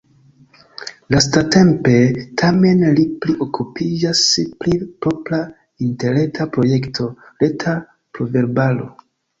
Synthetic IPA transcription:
lastate̞mpe̞tʰame̞nlipliʔo̞kʰupid͡ʒasplipɾo̞pla | inte̞ɾe̞tʰapɾo̞je̞ktʰo̞le̞tʰa | pɾove̞ɾbalo̞̰

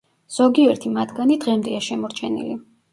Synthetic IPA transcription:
z̥ɔɡiɛɾt̪ʰimat̪ʰɡanid̪ʁɛmd̪ɛaʃɛmɔɾt͡ʃʰɛnḭli

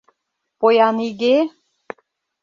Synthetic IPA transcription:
pojɑniɣe

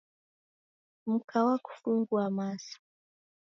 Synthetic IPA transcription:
m̩kʰawaku̥fuŋɡuamasḁ

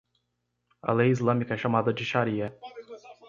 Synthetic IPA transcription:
ɐ̰lejizlɐ̃mikɐɛʃamad̪ɐd͡ʒɪʃaɾiɐ

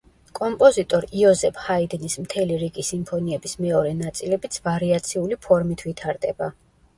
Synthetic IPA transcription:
kʼɔmpʼɔzit̪ʼɔɾiɔzɛpʰhaid̪nismt̪ʰɛliɾiɡisimpʰɔniɛbismɛɔɾɛnat̪sʼilɛbit̪sʰvaɾiat̪sʰiulipʰɔɾmit̪ʰvit̪ʰaɾd̪ɛba

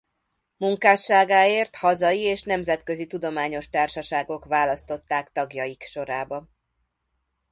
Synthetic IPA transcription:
muŋkaːʃːaːɡaːeːrt̪hɒzɒjieːʃnɛmzɛt̪kø̞zit̪ud̪o̞maːɲo̞ʃt̪aːrʃɒʃaːɡo̞kʋaːlɒst̪o̞t̪ːaːkt̪ɒɡjɒjikʃo̞ɾaːbɒ

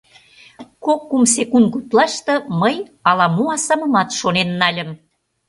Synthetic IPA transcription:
kokːums̬ekunkut̪lɑʃt̪ɤ̆məjɑlɑmuɑsɑmə̆mɑt̪ʃonenːɑlʲə̆m

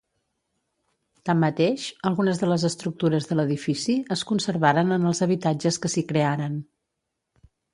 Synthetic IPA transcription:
t̪amːət̪eʃəlˠɣunəzðələzəst̪ɾuk̚t̪uɾəzðələðifisiəskunsəɾβaɾənənəlˠzəβit̪ad͡ʒəskəsikɾeaɾən

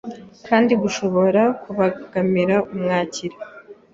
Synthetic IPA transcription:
kʰaːndiɡuʃo̞βo̞ɾakʰuβaɡ̥amiɾaumŋaːciɾe

